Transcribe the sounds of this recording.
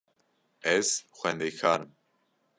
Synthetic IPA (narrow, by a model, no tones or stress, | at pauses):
ɛz̥xʷɛnd̪ejkʰaːɾɨm